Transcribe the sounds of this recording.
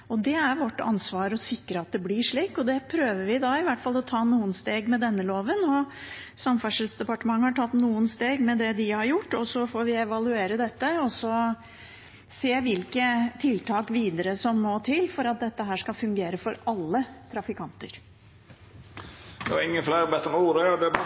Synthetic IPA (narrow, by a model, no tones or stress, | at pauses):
ɔd̪ɛæɾʋɔʈːɑ̰nsʋɑːɾɔsɪkːɾəɑt̪̚d̪ɛblɪʂɭiːkɔd̪ɛpʰɾøːʋəɾʋɪd̪ɑɪʋæʈfɑlːɔt̪ʰɑːnuːənst̪eːɡmɛd̪ɛnːəloːʋənɔsɑmfæʂɪlsd̪ɛpɑʈəmɑŋːəhɑʈʰɑt̪ːnuːənst̪eːɡmɛd̪ɛd̪ɪhɑɾjʊʈːɔsːɔfoːʋɪɛʋɑlʉeːɾəd̪ɛt̪ːəɔsːɔ | seːʋɪlkət̪ʰɪlt̪ʰɑːkʋiːd̪əɾəsɔmːɔt̪ʰɪlfɔɾɑt̪̚d̪ɛt̪ːəɦæːʂkɑfʉŋɡeːɾəfɔɾɑlːət̪ʰɾɑfɪkʰɑnt̪əɾ | ɛ̰ɪŋːəflæːɾbɛt̪ːənuːɾɛɔd̪ɛ